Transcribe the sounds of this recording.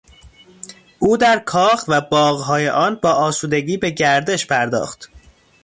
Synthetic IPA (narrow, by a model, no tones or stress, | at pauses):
ʔuːd̪æɾkʰɒːxvæbɒːɣɦɒːjeʔɒːnbɒːʔɒːsuːd̪e̞ɡiːbe̞ɟæɾd̪e̞ʃpʰæɾd̪ɒ̰ːxt̪